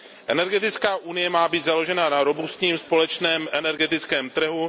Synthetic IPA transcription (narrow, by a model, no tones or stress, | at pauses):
ʔɛnɛɾɡɛt̪ɪt͡skaːʔunɪjɛmaːbiːd̪zalo̞ʒɛnanaɾo̞bust̪ɲiːmspo̞lɛt͡ʃnɛːmʔɛnɛɾɡɛt̪ɪt͡skɛːmt̪r̩ɦu